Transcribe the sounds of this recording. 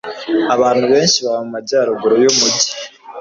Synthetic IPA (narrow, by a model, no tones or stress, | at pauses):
aβaːn̥huβe̞ːnʃiβaβamumaɟaːɾoɡuɾojomuɟi̥